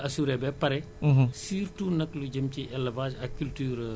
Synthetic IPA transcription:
ʔɐsuːɾɛbɛpɐɾɛ | siːɾtuːnɐklud͡ʒɐmt͡ʃiʔɛlːɐvaːsɐkkːultyːɾ

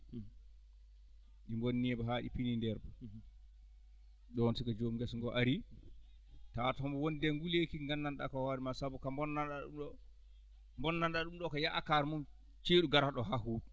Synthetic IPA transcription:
ɗimbonːɛbɔɦaɗḭpinindɛɾba | ɗɔnsikad͡ʒomɡɛsŋɡɔʔaɾi | tatɔmbɔwondɛŋɡulekiŋɡanːanɗa̰kɔwaɾimasabukambɔnːanɗaɗṵmɗɔ | mbɔnːanɗaɗumɗɔkɔjaʔakaɾmum | t͡ʃeːɗuɡaɾaɗɔɦaɦuːd

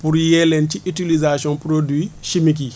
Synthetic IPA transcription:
puɾjɛlɛntiʔitilizasɔ̃npɾodwiʃimik̬i

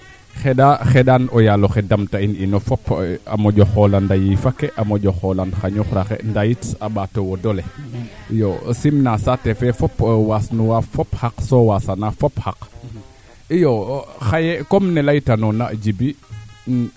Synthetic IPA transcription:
xɛdaxɛdanɔjaloxɛdamtaininɔfɔpa̰moɟɔxɔlandajifakːɛʔamoɟɔxɔlanxaɲuxɾaxɛ̰ndajitabatowɔdɔlɛijɔsimnasatɛfɛfɔpwasnuwafɔphaksɔwasanafɔphak | ijoxajɛkɔmnɛlajtanɔnad͡ʒibi

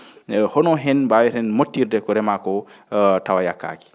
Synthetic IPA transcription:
hɔnɔɦɛnbawɛɾɛnmotːiɾdɛkɔɾɛmakɔtawajakːa̰ki̥

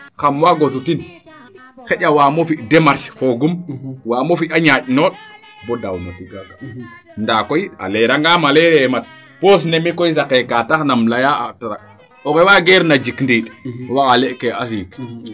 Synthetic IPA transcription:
kamwaɡosutin | xeɟʲawaːmofidemaɾʃfoɡumwaːmofiaɲaɟnoːɗ | bodawnoti | ndakoja̰leɾaŋɡamaleɾemat̚ | pos̬nemikojs̬akekataxnamlajaataɾa̰k̚ | okewaɡeɾnad͡ʒikndiɗwakaleʔkeas̬ik

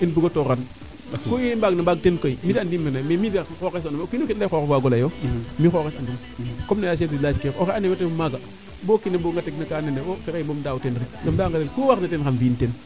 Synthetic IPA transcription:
inbuɡotoɾan | kojenbaɡnabaɡ̚tenkoimidandimːiɾnamemidaxokes̬anomkinokitːaxokefaɡolajomixokesandum | komnajaʃ̬edilat͡ʃkekokeanemetemaɡa | bokineboŋɡateknakaːneneofekebomdautenɾiɡamdaŋɡatenkuwaknatenxanvinten

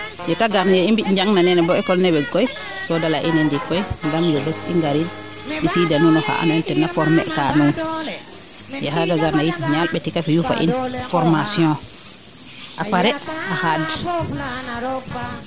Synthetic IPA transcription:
jɛtaɡaɾnajɛimbiɗɲd͡ʒaŋnanɛnɛbɔɛkɔlnɛbɛɡɔj | sɔdalaʔinɛndikɔjŋɡamdɛbɛsḭŋɡaɾin | isidanunɔha̰ʔa̰naintɛnːafɔɾmɛ̰kanun | jɛɦaɡaɡaɾnajitiɲalɓɛtikafijufa̰ʔḭnfɔɾmasijɔ̃ | ʔapaɾɛhahadi

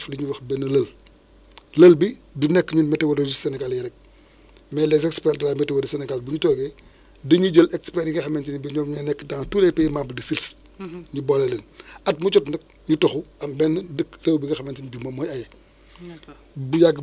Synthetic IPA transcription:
fliɲuwɐxbɛnːəlɐl | lɐlbidunɛkːɲunmɛtewoded͡ʒisɛnɛɡaljiɾɛk̚ | mɛlɛs̬ɛkspɛldɐɾaːmɛtewodisɛnɛɡalbuɲutɔːɡɛ | dəɲuɟəlɛkspɛɾiɡɐxɐmɛntinbiɲɔmɲɔnɛkːdaŋtulɛpɛjmambədisils | ɲubɔlɐlenɐt̚mut͡ʃɔtnɐk̚ | ɲutɔxuɐmbɛnːədəkrewbiɡɐxɐmɛntinbimɐmːɔjɐjɛ | bujaɡ

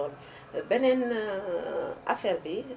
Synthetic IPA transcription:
ɔn | bɛnɛn | ʔafɛːɾbi

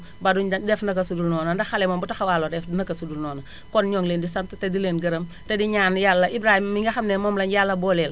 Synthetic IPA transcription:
badudɛfnɐkɐsudulnɔːnɐndɐxalɛmoːmbutɐxɐwaːloːdɛfnɐkɐsudulnɔːnɐ | kɔnɲɔːŋleːndisɐmtɐtɛdileːnɡɐɾɐm | tɛdiɲaːnjalːɐʔibɾaːhimmiŋɡɐxɐmnɛːmɔːmlɐnjalːɐbɔːlɛl

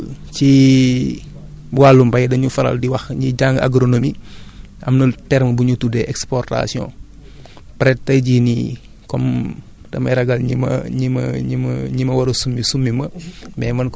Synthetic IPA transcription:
ci | bwalːumbɐjdɐɲufɐɾɐ̰ldiwɐxɲiɟaŋɡa̰ɡɾonomiʔɐmnultɛɾməbuɲutudɛʔɛkspɔrta̰siɔ̰̃ː | pɾɛt̚tɐjɟiːnḭ | kɔm | d̥ɐmɐ̰jɾɐɡɐlɲimɐ̰ɲimɐ̰ɲimɲimɐwɐɾosumːisumːimɐmbɛːmɐnk

